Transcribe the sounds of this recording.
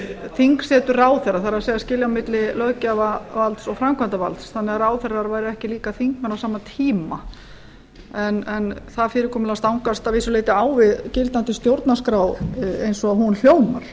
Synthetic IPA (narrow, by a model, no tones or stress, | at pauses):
θiŋksɛːt̪ʏrraːwθɛɾːaθaɾasejɣascɪːljawmɪt̪lɪlœːɣcavavalt̪sɔɣfɾamkʰvant̪ava̰lt̪sθanːɛɣaɾaːwθɛɾaɾvaːjɾɪɛhcɪliːkaθiŋkmɛnːawsaːmat̪ʰiːma | ɛnɛnθaðfɪːɾɪɾkʰɔːmʏlast̪awŋkast̪aviːsʏleːjt̪ɪaːwvɪðcɪlt̪nant̪ɪst̪jowɾt̪naskɾaːwejnsɔɦunl̥joːwma̰ɾ̥